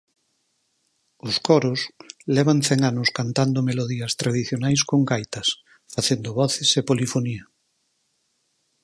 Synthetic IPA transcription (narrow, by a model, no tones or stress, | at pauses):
ʊskɔɾʊslɛβ̞aŋθɛŋanʊskant̪and̪omeloðiɐst̪ɾaðiθjonajskoŋɡajt̪ɐs | faθend̪ʊβɔθɪsepolifoniɐ